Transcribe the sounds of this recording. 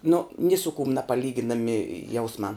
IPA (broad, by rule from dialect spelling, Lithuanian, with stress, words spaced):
nʊ nʲɪ sʊ kʊm nɐpɐˈlʲiːɡʲɪnɐmʲɪ ˈjɛʊsmɑː